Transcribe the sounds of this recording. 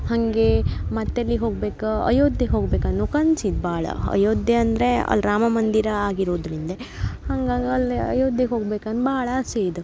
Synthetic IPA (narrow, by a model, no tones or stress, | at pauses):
hɐŋɡemɐt̪ːɐlːiɦo̞ːɡbeːkɐɐ̰joːd̪jeɦoːɡbeːkɐnːukɐnt͡ʃid̪baːɭɐ̰ɐ̰joːd̪jeɐnd̪ɾe̞ɐ̰lɾaːmɐmɐnd̪iɾɐaːɡiɾoːd̪ɾind̪ɐ | hɐŋɡaːɡiɐliɐ̰joːd̪jeɦoːɡbeːkɐnːubaːɐɭɐseːd̪u